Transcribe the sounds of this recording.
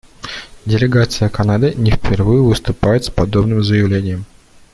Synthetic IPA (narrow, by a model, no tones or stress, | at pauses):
dʲɪlʲɪɡat̪sɨjəkɐnad̪ɨnʲɪfʲpʲɪrvɨjʊvɨst̪ʊpajɪt̪spɐd̪o̞bnɨmzəjɪvlʲenʲɪjəm